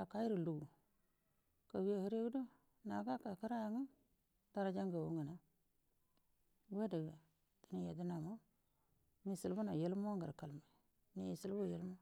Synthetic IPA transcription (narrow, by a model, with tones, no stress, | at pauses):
a˨ka˦ji˦ɾu˨lu˨ɡu˨ | ka˨wi˦a˨hi˦ɾe˦ɡdo˦ | na˨ɡa˦ka˨ki˦ɾa˦ja˨ŋa˦ | ta˦ɾa˦d͡ʒa˦ŋɡa˨wo˦ŋa˨na˦ | ɡwe˦da˨ɡa˨ | i˨˦ni˦˨ja˨di˦na˨mo˦ | mi˦si˨lbu˦na˨je˦lmo˦ŋɡa˨ɾka˨lma˨ | ni˨i˨si˦lbu˦˨je˨˦lmo˦